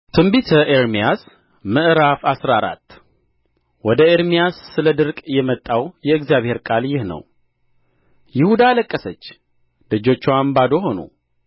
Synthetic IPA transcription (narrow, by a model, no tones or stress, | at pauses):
t̪ʰɨmbit̪ʰəʔeɾmijas | mɨʔɨɾafasɾaɾa̰t̪ː | wɔd̪əeɾmijasːɨləd̪ɨɾkʼjɛmət̪ʼːawjɛɨɡzijaβhe̞ɾkʼaljɪhnə̰w | jɪhud̪aləkʼːəsət͡ʃː | lɨd͡ʒo̞t͡ʃːɛwambad̪o̞ɦo̞nṵ